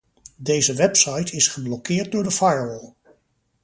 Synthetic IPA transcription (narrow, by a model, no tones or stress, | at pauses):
dejzəʋɛpsɑjtʰɪsχəblɔkɪːɹt̚dʊːɹdəfajəwəlˠ